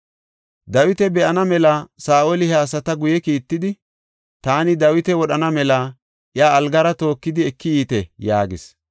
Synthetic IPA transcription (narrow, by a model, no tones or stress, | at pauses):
d̪ɐwɪt̪ɛbɛʔɐnɐmɛlɐsaːʔolɪhɛaːs̬ɐt̪ɐɡʊjɛkiːt̪ːɪd̪ɪ | t̪aːnɪd̪ɐwɪt̪ɛwɔɗɐnɐmɛlɐ | ʔjaːlɡɐɾɐt̪o̞ːkːɪd̪ɪɛkːɪjiːt̪ɛja̰ːɡɪs